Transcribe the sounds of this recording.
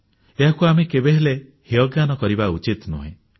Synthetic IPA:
eɦakuamekebeɦeleheɔɡanɔkɔɾibaut͡ʃit̪nṵɦḛ̃

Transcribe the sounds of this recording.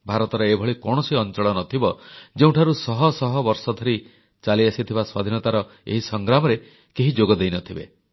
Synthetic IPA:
bʱaɾɔt̪ɔɾɔebʱɔɭikɔɽ̃ɔsiɔnt͡ʃɔɭɔnɔt̪ʰibɔd͡ʒeũʈʰaɾusɔɦɔsɔɦɔbɔɾsɔd̪ʱɔɾi | t͡ʃaliasit̪ʰibaswa̰d̪ʱinɔt̪aɾɔ | ḛɦisɔŋɡɾamɔɾe | keɦid͡ʒoɡɔd̪ejnɔt̪ʰibḛ

